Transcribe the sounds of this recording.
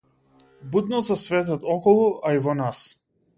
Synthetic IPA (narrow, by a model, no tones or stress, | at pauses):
bud̪nɔzasvɛt̪ɔt̪ɔkɔlˠuʔaivɔnas